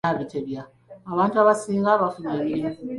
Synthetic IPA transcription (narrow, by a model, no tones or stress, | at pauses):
aβiteβjaː | βaːntuaβasiːŋɡaβafunaβiɾi